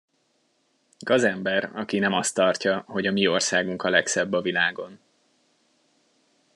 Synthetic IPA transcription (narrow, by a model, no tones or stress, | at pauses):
ɡ̥ɒzɛmbɛɾɒkinɛmɒst̪ːɒrcɒɦo̞ɟɒmio̞rsaːɡuŋkɒlɛksɛbːɒvilaːɡo̞n